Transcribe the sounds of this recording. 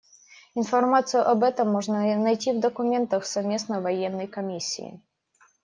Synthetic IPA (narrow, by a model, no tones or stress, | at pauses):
ɪnfɐrmat̪sɨjʊʔɐbɛt̪əmːɔʐnənɐjtʲivd̪əkʊmʲent̪əxsɐvmʲe̞snəvɐjɛnːəjkɐmʲisʲːḭː